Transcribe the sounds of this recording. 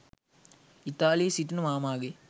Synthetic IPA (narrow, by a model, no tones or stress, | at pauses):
it̪aːliːsiʈnɐmaːmaːɡe